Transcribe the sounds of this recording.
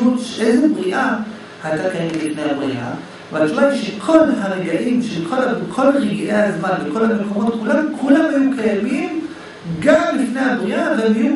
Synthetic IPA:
ut̪ʃeʔejzebʁiʔa | hajt̪akajemlifnejabʁiʔa̰ | valt̪umajʃekʰo̞lɦaʁeɡaʔimʃelkʰolabkʰo̞lʁeɡiʔejhazmanveko̞lhamekʰomo̞t̪̚kulamkʰulamhemkajamim | ɡamlifnejhabʁiʔavaem

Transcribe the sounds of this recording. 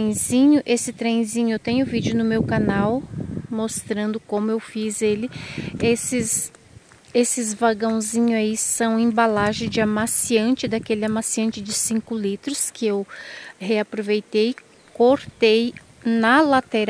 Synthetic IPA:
ẽj̃zĩɲʊʔesɪt̪ɾẽj̃zĩɲʊewt̪ẽɲ̃ʊʊvid͡ʒʊnʊmewkanawmost̪ɾɐ̃nd̪ʊkõmʊewfizelɪesɪs | esɪzvaɡɐ̃w̃zĩɲʊaisɐ̃w̃ẽbalaʒẽd͡ʒɪamasiɐ̃nt͡ʃɪd̪akelɪamasiɐ̃nt͡ʃɪd͡ʒɪsĩkʊlit̪ɾʊskɪewheapɾovejt̪ej | koɾt̪ej | nɐlat̪eɾ

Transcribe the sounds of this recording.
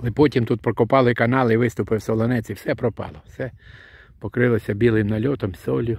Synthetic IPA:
lɛpɔt̪ʲimt̪ut̪̚pəɾkɔpalˠɔikanalˠivɪst̪upɛsɔlˠɔnɛt͡sifsɛpɾɔpa̰lˠɔsɛ | pɔkɾɛlˠɛsɛbilˠimnalʲɔt̪ɔmsɔlʲu

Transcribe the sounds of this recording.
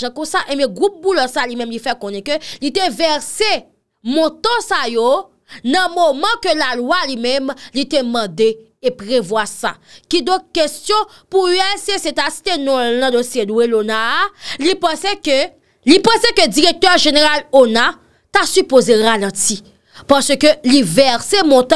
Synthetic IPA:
ʒãkɔ̃saʔemɛ̃ɡʁup̚bulœsalimɛ̃mlifɛkɔ̃nɛ̃kølit̪evɛʁse | mɔ̃t̪ɔ̃sajo | nɐ̃momãkølalwalimɛ̃mlit̪emɐ̃d̪e | epʁevwasa̰kid̪ɔ̃k̚kestjɔ̃ | puyɛlseset̪asi̥t̪enɔ̃lnɐ̃d̪osjeluelonalipãsɛkø | lipãsɛkød͡ziʁek̚t̪œʁʒeneʁalona | t̪asypozeʁalɐ̃ti | paʁsøkølivɛʁsemɔ̃t̪ɔ̃

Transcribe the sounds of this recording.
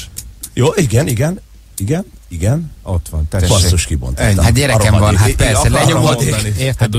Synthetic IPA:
joːʔiɡɛniɡɛn | iɡɛniɡɛnot̪ʋɒnt̪ɛɔsoʃkibo̰nt̪ːat̪ɛɾɛɾɛmvɒnapɛsɛlɛomɔenieːt̪ɛt̪

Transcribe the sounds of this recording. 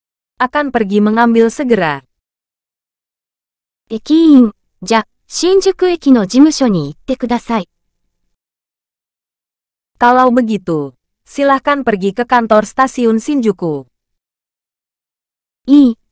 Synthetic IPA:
ʔakanpərɡiməŋambilsəɡəɾa | ekʲiŋ | d͡ʑa | ɕĩɲd͡ʒukɯ̟ekʲino̞d͡ʑimɯ̟ɕo̞ɲiːt̪ːe̞kɯd̪asai | kalawbəɡit̪u | silahkanpərɡikəkant̪ɔrst̪asiʊnsiɲd͡ʒuku | i

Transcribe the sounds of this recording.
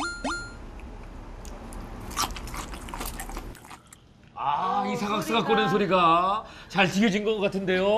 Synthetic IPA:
aisʰaɡak̚s͈ɯɡak͈onɯnsʰoɾiɡat͡ɕaɭt͡ɕiɡʲjʌd͡ʑinɡʌkːʌk͈atʰɯnde̞jo

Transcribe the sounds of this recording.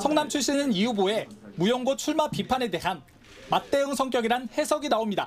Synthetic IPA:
sʰʌŋnamt͡ɕʰuɭɕ͈inɯniuboe̞mujʌŋɡot͡ɕʰuɭmapipʰane̞de̞ɦan | mat̚t͈e̞ɯŋsʰʌŋk͈jʌɡiɾanhe̞sʰʌɡinaomɲida

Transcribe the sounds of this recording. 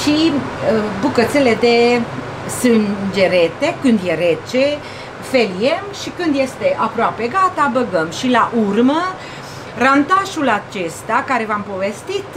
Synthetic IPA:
ʃiəbukət̪sele̞d̪e̞ | sɨnd͡ʒe̞ɾet̪e̞kɨnd̪jeɾe̞t͡ʃe | felie̞mʃikɨnd̪je̞st̪e̞ʔapɾoape̞ɡat̪abəɡəmʃilaʔurmə | rant̪aʃulat͡ʃe̞st̪akaɾe̞vampo̞ve̞st̪it̪

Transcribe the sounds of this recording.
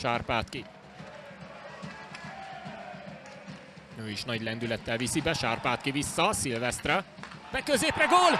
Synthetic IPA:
ʃaːrpaːt̪ki | nøːiʃnɒɟlɛnd̪ylɛt̪ːɛlvisibɛʃaːrpaːt̪kivisːɒsilvɛst̪rɛb̥ɛkøzeːprɛɡoːl

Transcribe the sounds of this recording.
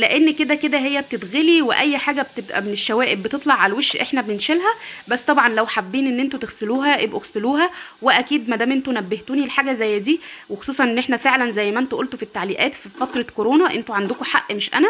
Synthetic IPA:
leʔenːked̪æked̪æɦejːæb̚t̪ed̪ɣeliweʔæjːħaːɡæb̚t̪ebʔæ̰meneʃːæwæːʔebːet̪et̪ˤlɑʕalæweʃʔeħnæbenenʃelɦæbæsːt̪ˤɑbʕɑnlæwħabːiːnʔenːʔent̪ut̪eɣseluːɦæʔebʔoɣseluːɦæweʔækiːd̪mæd̪æːmʔent̪unæbːeht̪uːnilħaːɡæzæjːæd̪iːwexosˤuːsˤɑnʔenːʔeħnæfeʕlænzæjːmæʔent̪oʔolt̪ofit̪ːaʕliːʔæːt̪fifɑt̪ˤɾˤɑkoɾoːnɑʔent̪uʕand̪okoħaʔːmeʃʔæ̰næ

